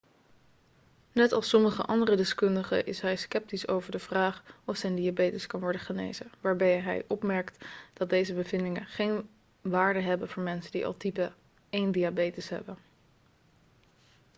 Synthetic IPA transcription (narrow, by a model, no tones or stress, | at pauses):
nɛtɑ̰lˠsɔməχə̰ʔɑndərədɪskɵndəχə̰ʔɪsɦɛjskɛp̚tiso̰wvəɹdəvraːχɔfsɛjndiabejtəskɑnʋɔɹdəχənḛjzəʋaːɹbɛjɦɛ̰jʔɔpmɛɹktd̥ɑt̚dejzəbəvɪndɪŋənχejn | ʋaːɹdəɦɛbənvʊːɹmɛnsəndḭʔɑ̰lˠtipə | ejndiabejtəsɦɛ̰bən